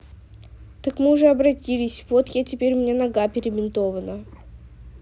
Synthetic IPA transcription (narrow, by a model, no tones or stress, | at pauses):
t̪əkmɨʊʐɛɐbɾɐtʲilʲɪsʲvot̪jatʲɪpʲeɾʲmnʲenɐɡapʲɪɾʲɪmʲɪnt̪ovənə